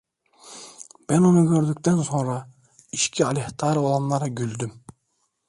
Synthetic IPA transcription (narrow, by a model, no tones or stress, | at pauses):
b̥enonʊɡʲøɾd̪ykʲt̪ænsoŋɾɑ | iʃkʲʰiɑlʲeht̪ʰɑɾolˠɑmlˠɑɾɑɡʲyld̪ym